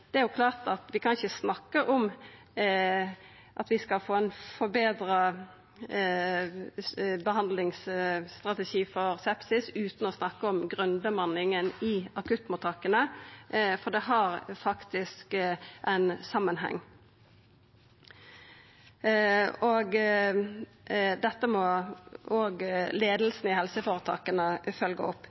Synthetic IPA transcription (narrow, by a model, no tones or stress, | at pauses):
d̪̥ɛæɾjʊkʰlɑːʁt̪ɑt̪ʋɪkʰɑnɪçəsnɑkːəʔɔm | ʔɑt̪ʋɪskɑlfoːæɪnfɔbeːd̪ɾə | bəhɑnd̪lɪŋsːt̪ʁɑt̪ɛʃiːfɔɾsɛpsɪsʉːt̪n̩ɔsnɑkːəɔmɡʁʉnbəmɑnɪŋənɪɑkʉt̪ːmʊt̪ʰɑkənə | fɔd̪ɛɦɑʁfɑkt̪ɪskʔæɪnsɑmənɦɛ̰ŋː | oːɡ | d̪ɛt̪ːəmɔ | oːɡleːd̪l̩sn̩ɪhɛlsəfoːɾət̪ʰɑ̰ːkənəfœlɡə̰ɔpː